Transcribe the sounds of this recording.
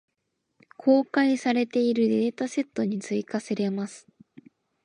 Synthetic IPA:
kʰo̞ːkaisaɾe̞t̪e̞iɾɯ̟d̪eːt̪ase̞t̪ːo̞ɲ̟it͡sɨikaseɾe̞masɨ̥

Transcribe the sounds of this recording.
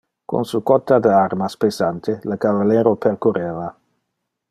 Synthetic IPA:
ko̰nsukɔt̪ːad̪əarmaspesant̪elakavalɛːɾoperkoɾeːva

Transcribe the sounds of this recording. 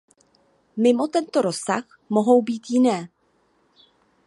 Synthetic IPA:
mɪmo̞t̪ɛnt̪o̞ɾo̞sa̰x | mo̞ɦo̞wbiːt̪jɪnɛː

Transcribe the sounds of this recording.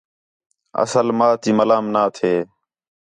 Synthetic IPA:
ə̰səlmaːt̪iːməlaːmnaːt̪ʰeː

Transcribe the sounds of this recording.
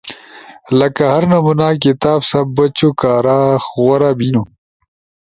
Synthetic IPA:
lɐkahɐɾnɐmunaːk̬it̪aːbsɐbbːɐt͡ɕokaːɾaːxɣwɐɾabinu

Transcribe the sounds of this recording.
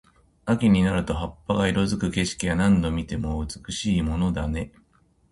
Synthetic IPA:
akʲiɲ̟inaɾɯ̟t̪o̞ɦapːaɡaiɾo̞zɨkɯ̟ke̞ɕi̥kʲijanãnd̪o̞mʲit̪e̞mo̞ɯ̟t͡sɨ̥kɯ̟ɕiːmo̞no̞d̪ane̞

